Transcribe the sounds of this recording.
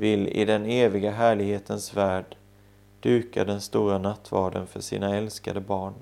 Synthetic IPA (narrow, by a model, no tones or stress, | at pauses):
vɪlɪ̰d̪ɛneːvɪɡaɦæːɭɪɡheːt̪ʰənsvæːɖ | ɖ̥ʉ̟ːka̰d̪ɛnst̪uːɾanat̪ʰːvɑːɖə̰nfœʂḭːnaɛlska̰d̪əbɑːɳ